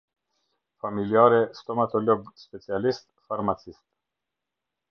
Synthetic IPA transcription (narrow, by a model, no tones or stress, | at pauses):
familjaːɾɛst̪ɔmat̪ɔlɔɡspɛt͡sialist̪faɾmat͡sist̪̚